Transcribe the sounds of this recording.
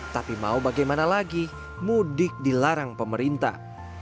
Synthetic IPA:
t̪apima̰ubaɡajmanalaɡi | mudɪk̚dilaɾaŋpəməɾint̪a̰

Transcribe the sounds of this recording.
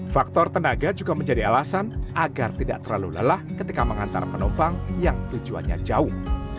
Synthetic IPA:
fak̚t̪ɔrt̪ənaɡad͡ʒuɡaməɲd͡ʒadialasanʔaɡart̪ida̰ʔt̪ərlalulə̰lahkət̪ikaməŋant̪a̰rpənɔmbaŋjaŋt̪ud͡ʒua̰ɲa̰d͡ʒaʊh

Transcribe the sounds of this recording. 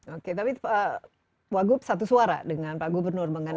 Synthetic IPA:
oket̪apiə | waɡup̚sat̪̬usuaɾa̰dəŋanpaɡubərnʊrməŋən

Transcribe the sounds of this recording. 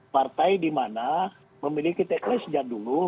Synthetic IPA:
part̪ajdimana | məmilikit̪ɛklɛsəd͡ʒak̚dulu

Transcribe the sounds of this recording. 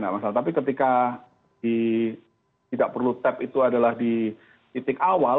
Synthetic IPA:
namasalat̪apikət̪̬ika | di | t̪idaʔpərlut̪ɛpit̪uadalahdi | it̪ɪkawa

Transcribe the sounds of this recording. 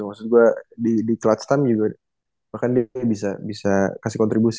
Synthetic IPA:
maksʊt̪̚ɡuadidiklat̪̚st̪amd͡ʒuɡa | bahkandiabis̬abisakasikɔnt̪ɾibus

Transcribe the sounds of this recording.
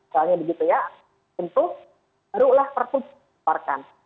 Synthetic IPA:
soalɲabəɡit̪uja | ənt̪ʊh | ɾulaht̪ərpʊn | arkan

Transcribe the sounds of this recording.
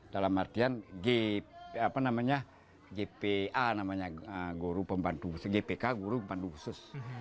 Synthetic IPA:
d̥alamart̪ianɡeapanamaɲa | ɡepeanamaɲaəɡuɾupəmbant̪usɡepekaɡuɾuband̪uusʊs

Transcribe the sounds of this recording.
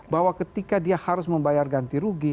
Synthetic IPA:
baɦwakət̪ikadiahaɾʊsməmbajarɡant̪iɾuɡi

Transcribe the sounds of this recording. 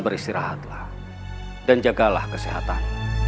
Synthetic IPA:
bəɾist̪iɾa̰ɦat̪lah | dand͡ʒaɡalahkəsiɦa̰t̪a̰n

